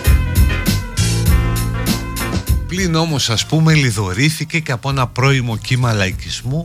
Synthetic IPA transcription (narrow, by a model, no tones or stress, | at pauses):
plino̞mo̞sɐspume̞liðo̞ɾiθice̞ceɐpo̞e̞nɐpɾo̞imo̞cimɐlɐicizmu